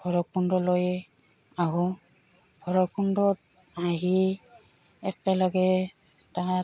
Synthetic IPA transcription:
ɡʰʱɔɹɔkundɔlojɛ | aɦu | b̥ʱɔɹɔkundɔt̚ | aɦi | ɛk̚ɛlɔɡɛ | ta

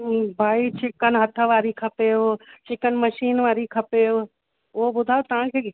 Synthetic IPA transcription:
bʱaːit͡ʃɪkənɦɐt̪ʰəʋaːɾikʰɐpeːot͡ʃɪkənmɐʃiːnʋaːɾikʰɐpeː | ʊɦobʊd̪ʱaːjot̪ɐʋ̤ãkʰeː

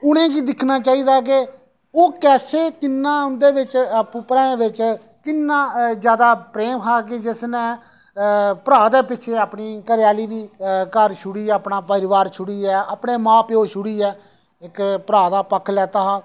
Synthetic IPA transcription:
ʊnẽːkiːd̪ɪkʰnaːt͡ʃaːiːd̪aːk̬e | oːkɛːseːkɪnːãːʊnd̪eːʋɪt͡ʃpʊpɾãːʋɪt͡ʃ | kɪnːãːzjaːd̪aːpɾeːmɦaːk̬ɪd͡ʒɪsnẽː | pəɾaːd̪eːpɪʃʰeːəpɳiːkəɾɪjaːliːʋiːkəɾʃʰʊɽiːəpnãːpəɾɪʋaːɾt͡ʃʰʊɽiːɛːapɳeːmãːpjoːʃʊɽiːɛː | ɪkpəɾaːd̪aːpəkʰːlɛːt̪aːɦaː

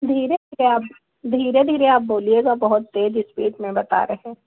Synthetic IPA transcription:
d̪ʱiːɾed̪ʱiɾeaːp | d̪ʱiːɾed̪ʱiːɾeaːp̚boːlieɡabɐɦʊt̪ːeːd͡ʒɪspḭːʈmẽbɐt̪a̰ːɾɐɦɛ̃ː

